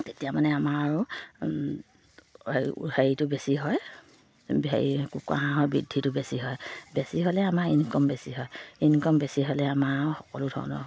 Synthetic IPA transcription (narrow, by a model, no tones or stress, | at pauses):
tetijamanɛamaɹʊ | eheɹitʊbesiɦɔj | bḛikuka̰ɦãɦɔjbɹidʱːitʊbesiɦɔjbesiɦɔlɛamaɹinkɔmbesiɦɔjinkɔmbesiɦɔjlɛamaxɔkɔlʊdʱɔ̰ɹnɔ̰